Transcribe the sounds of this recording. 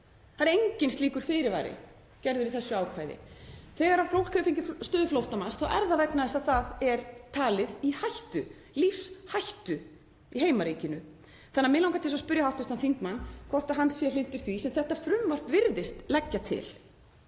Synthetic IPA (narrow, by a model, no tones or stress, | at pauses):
θaɾɾejɲcɪnst̪liːkʏɾ̥fɪɾɪɾva̰jɾɪ̰ | cɛɾðʏɾiθɛsːʏaːwkʰvaːjðɪ̰θɛːɣaɾaɾflowl̥kʰœːfiɲcɪst̪œːðʏflowht̪amansθawʔɛ̰ɾðavɛknaðɛsaðθaðɛɾt̪ʰaːlɪðihajht̪ʏ | lifshajht̪ʏ | iɦeːjmaɾiːcɪnʏ | θanːaɾmɪlawŋkat̪ʰɪsaspʏɾjahawht̪ʏht̪anθiŋkmanːkʰvɔr̥t̪aɦanːsjɛlɪn̥t̪ʏɾ̥θvisɛmθɛht̪afɾʏmvar̥pvɪɾðɪst̪lɛcːat̪ʰɪ̰l